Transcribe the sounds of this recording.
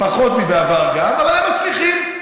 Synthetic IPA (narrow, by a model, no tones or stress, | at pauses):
paχo̞t̪mibeavaʁɡamalaemat͡sliχim